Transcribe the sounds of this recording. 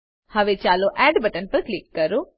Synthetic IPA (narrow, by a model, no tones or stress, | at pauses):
hɐʋet͡ʃaːloʔɛːɖbɐʈənpɐɾklɪkːɐɾo